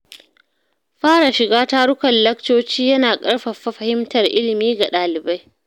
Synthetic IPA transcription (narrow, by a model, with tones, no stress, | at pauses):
ɸaː˦ɽa˨ʃɪ˨ɡaː˦ta˦ɽʊ˦kʷɐ˨nlɐ˦k̚toː˦t͡ʃiː˦jɐ˦naː˨kʼɐ˦ɽɸɐ˨ɸɐ˦ɸɐ˨hɪ˦mtɐ˨rʔɪ˦lɪ˨miː˦ɡa˨ɗaː˨lɪ˨ba˦j